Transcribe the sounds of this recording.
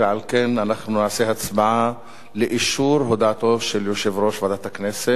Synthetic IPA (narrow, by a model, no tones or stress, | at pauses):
eʕalkenanaχnunaʕaseɦat͡smaʕa | leʔiʃuɾɦod̪at̪o̞vʃeljoʃevɾo̞ʃvad̪at̪aknese